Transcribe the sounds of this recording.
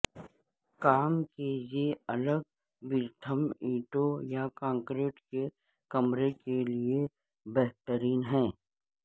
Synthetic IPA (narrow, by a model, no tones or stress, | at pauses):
kaːmkejeɐləɡ̚ | bɪɾt̪ʰəmiːʈojakãːŋkɾeːʈke | kɐmɾekelie | bɛɦt̪əɾiːnɦɛ̃ː